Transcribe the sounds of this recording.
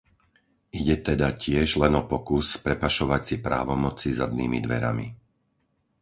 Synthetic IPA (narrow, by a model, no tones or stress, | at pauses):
iɟɛt̪ɛd̪acɪɛʒlɛnɔpɔkuspɾɛpaʃɔʋacsipɾa̰ːʋɔmɔt͡sizad̪̚nḭːmḭd̪ʋɛ̰ɾa̰mḭ